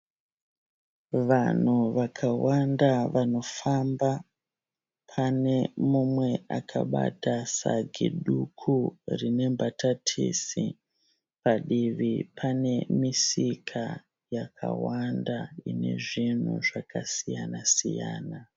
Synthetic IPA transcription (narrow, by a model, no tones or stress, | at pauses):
ʋan̤uʋakʰawandaʋano̞famba | pʰane̞mumwe̞a̰kʰaɓa̰tasaɡʱiɗukʰurine̞mbatʰatʰisi | paɗiʋipʰane̞misikʰa | jakʰa̰wandaine̞̰ʐin̤ṵʐakasijanasijaːna